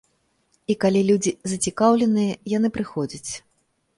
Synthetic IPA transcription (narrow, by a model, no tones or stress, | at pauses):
ikalʲilʲud͡zʲizɐt͡sʲikawlʲɛnɨjɐjanɨpɾɨxɔd͡zʲɐt͡sʲ